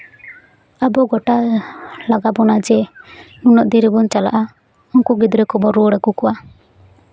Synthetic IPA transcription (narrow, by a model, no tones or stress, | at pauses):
abɔɡɔʈalaɡabɔnad͡ʒɛnunɔʔd̪iɾibɔnt͡ʃala̰ʔa | ɔŋkuɡid̪ɔɾɛkɔbɔɾuɽaɡukɔwa